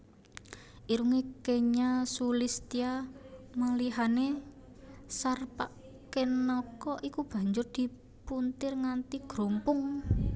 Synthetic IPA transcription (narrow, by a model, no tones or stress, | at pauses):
ʔiɾuŋekeɲasulist̪iamaliɦane | sarpa | kenɔkɔʔikub̥ä̤ɲd͡ʒʊrd̪̥i̤ | punt̪ɪrŋant̪iɡ̥ɾompʊŋ